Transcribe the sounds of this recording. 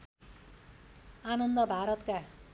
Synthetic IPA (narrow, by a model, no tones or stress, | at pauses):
anʌnd̪ʌbʱaɾʌt̪ka